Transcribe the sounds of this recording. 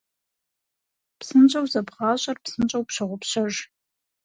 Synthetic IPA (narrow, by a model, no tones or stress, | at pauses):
psɨnt͡ʃʼɐwzɐbʁaːɕʷʼɐrpsɨnt͡ʃʼɐwpɕɐʁʷʊpɕɐʒ